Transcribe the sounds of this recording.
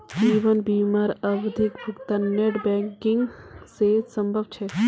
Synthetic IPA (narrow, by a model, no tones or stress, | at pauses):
d͡ʒiːʋənbiːmaːɾɐʋd̪ʱikbʱʊkt̪aneʈbɛ̃ŋkɪ̃ŋɡsesəmbʱəbt͡ʃʰɛ